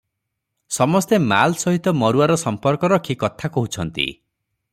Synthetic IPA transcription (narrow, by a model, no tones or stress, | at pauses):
sɔmɔst̪ema̰lsɔɦit̪ɔmɔɾuaɾɔsɔmpɔɾkɔɾɔkʰikɔt̪ʰakɔɦut͡ʃʰɔnt̪ḭ